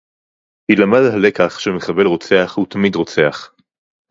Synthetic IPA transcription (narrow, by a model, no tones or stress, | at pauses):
hilamad̪hale̞kaχʃemeχabe̞lʁo̞t͡se̞aχhut̪amid̪ʁo̞t͡se̞aχ